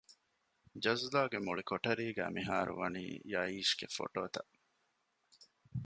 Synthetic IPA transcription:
d͡ʒɐzlaːɡemuɭikoʈɐɾiːɡæ̰ːmiɦaːɾṵʋɐnḭːjɐiːʃɡ̥efo̰ʈoːt̪ɐʔ

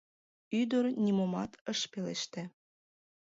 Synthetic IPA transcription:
yd̪oɾnʲimomɑt̪əʃpelḛʃt̪ĕ

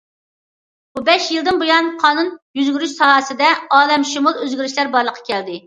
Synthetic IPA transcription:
bubɛʃjilˠd̪ɨnbojɑnqʰɑːnunjyzɡʲyɾyʃsɑːsɨd̪ɛɑːlɛmʃumulˠøzɡʲyɾyʃlæɾbɑɾlˠəqʰːɑ̥kʲʰɛld̪ɪ

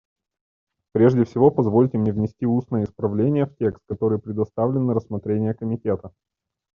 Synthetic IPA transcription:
pɾʲe̞ʐdʲɪfsʲɪvo̞pɐzvo̞lʲtʲɪmnʲevnʲɪsʲtʲiusnəjəɪspɾɐvlʲenʲɪjəftʲe̞kst̪̚kɐt̪o̞ɾɨjpɾʲɪd̪ɐst̪avlʲɪnːɨɾəsmɐt̪ɾʲenʲɪjəkəmʲɪtʲe̞t̪ə

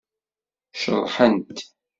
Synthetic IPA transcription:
ʃə̰ɾˤːħənt̪

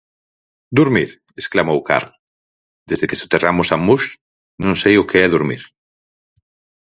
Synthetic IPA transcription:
d̪uɾmiɾ | esklamowka̰ɾl | d̪ezðekesot̪eramʊsamuʃ | nõŋsejʊkʰeɛðuɾmḭɾ

